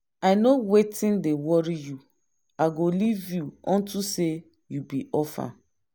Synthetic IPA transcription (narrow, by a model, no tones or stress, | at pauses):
aɪnowetĩndewɔɹiju | aɡolivjuɔ̃ntuse | jubiʔɔfa̰